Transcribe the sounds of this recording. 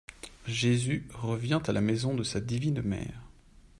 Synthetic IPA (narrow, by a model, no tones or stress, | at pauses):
ʒezyʁəvjɛ̃t̪alamɛzɔ̃d̪əsad̪ivinmɛ̰ːʁ